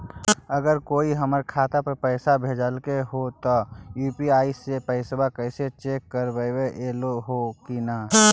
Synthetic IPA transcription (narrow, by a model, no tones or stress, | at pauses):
əɡəɾkoːiɦəməɾkʰaːt̪apəɾpəɪsabʱeːd͡ʒəlkeɦot̪ojuːpiaːisepəɪsbakəɪset͡ʃeːkːəɾbəweʔeːloɦokinaː